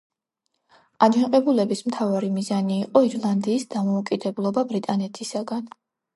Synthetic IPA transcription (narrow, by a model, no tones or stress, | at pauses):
ad͡ʒaqʼɛbulɛbismt̪ʰavaɾimizaniːqʼɔiɾlˠand̪iːsd̪amɔukʼid̪ɛblˠɔbabɾit̪ʼanɛt̪ʰisaɡan